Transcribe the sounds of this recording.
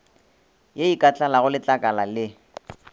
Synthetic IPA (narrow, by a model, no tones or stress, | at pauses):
jeikʼat͡ɬʼalaɣʊlɪt͡ɬʼakʼalalɪ